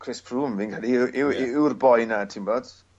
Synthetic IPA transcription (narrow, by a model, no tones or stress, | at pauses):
kʰrɪspʰruːmviːnkʰalˠiɪɪɪwrbɔjnatʰimboːd̥